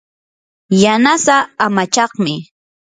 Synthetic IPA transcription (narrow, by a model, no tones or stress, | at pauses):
janasaːmat͡ʃɑχmɪ